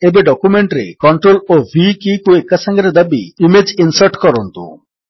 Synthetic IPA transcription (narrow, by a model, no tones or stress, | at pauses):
ebeɖɔkumeɳʈɾḛkɔɳʈɾolobʱikikuekasaŋɡaɾed̪abḭimed͡ʒinsaɾʈkɔɾɔnt̪ṵ